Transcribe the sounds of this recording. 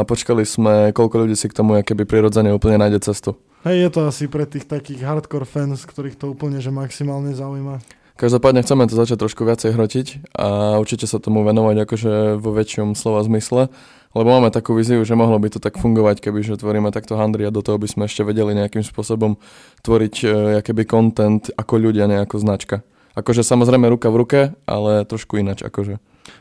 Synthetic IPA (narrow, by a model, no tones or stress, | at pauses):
pɔt͡ʃkaliz̥mɛkɔʎkɔʎuɟiːsikt̪ɔmuakɛbipɾiɾɔd͡zɛɲɛuːpl̩ɲɛnaːjɟɛt͡sɛst̪u | ɦɛjjɛt̪ɔasipɾɛt̪iːxt̪akiːɣɦaɾt̪kɔɾfɛnskt̪ɔɾiːxt̪ɔuːpl̩ɲɛʒɛmaksimaːlɲɛzaujma | kaʒd̪ɔpaːd̪ɲɛxt͡sɛmɛt̪ɔzat͡ʃac̚t̪ːɾɔʃkuʋɪat͡sɛjɦɾɔcica̰uɾt͡ʃicɛsat̪ɔmuʋɛnɔʋaɟakɔʒɛʋɔʋɛt͡ʃɪɔmslɔʋazmislɛ | lɛbɔmaːmɛt̪akuːʋiːziuʒɛmɔɦlɔbit̪ɔt̪akfuŋɡɔʋackɛbiʒɛt̪ʋɔɾiːmɛt̪akt̪ɔɦand̪ɾiad̪ɔt̪ɔɦɔbiz̥mɛɛʃcɛʋɛɟɛliɲɛakimspʊɔsɔbɔm | t̪ʋɔɾicakɛbikɔnt̪ɛnt̪akɔʎuɟɪaɲɛakɔznat͡ʃka | ʔakɔʒɛsamɔzɾɛɪmɛɾukavɾukɛʔa̰lɛt̪ɾɔʃkuinat͡ʃa̰kɔʒɛ